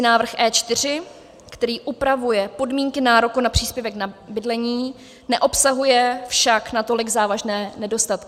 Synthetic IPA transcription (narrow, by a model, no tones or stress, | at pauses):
ɪnaːvr̩xʔɛːt͡ʃt̪ɪr̝ɪ | kt̪ɛɾiːʔupɾavujɛpo̞dmiːŋkɪnaːɾokunapr̝̥iːspjɛvɛknabɪdlɛɲiː | nɛʔo̞psaɦujɛfʃaknat̪o̞lɪɡzaːvaʒnɛːnɛdo̞st̪at̪kɪ